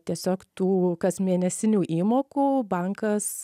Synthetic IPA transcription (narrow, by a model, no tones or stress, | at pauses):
t̪ʲiɛsʲoːkt̪uːkɐsʲmʲiɛnʲɛsʲɪnʲuːʔiːmoːkuːbɐŋkɐs